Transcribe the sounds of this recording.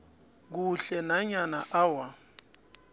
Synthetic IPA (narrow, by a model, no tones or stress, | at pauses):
k̬uɬɛnaɲanaʔawa